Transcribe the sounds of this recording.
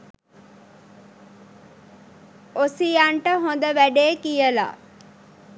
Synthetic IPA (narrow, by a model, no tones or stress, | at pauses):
osijaɳʈəɦond̪əʋæɖeːkijəla̰ː